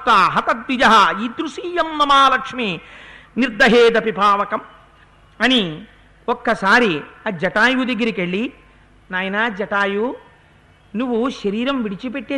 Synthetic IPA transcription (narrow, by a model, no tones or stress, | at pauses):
t̪aːɦɐt̪ɐt̪ʋid͡ʒɐɦɐiːd̪ɾuʂiːjɐmnɐmaːlɐkʂminiɾd̪ʱɐɦeːd̪ɐpipaːʋɐkɐm | ɐni | okːɐsaːɾiɐd͡ʒɐʈaːjud̪ɐɡːɐɾikeɭːi | naːjɐnaːd͡ʒɐʈaːju | nuʋːuʃɐɾiːɾɐmʋiɽit͡ʃipeʈːeː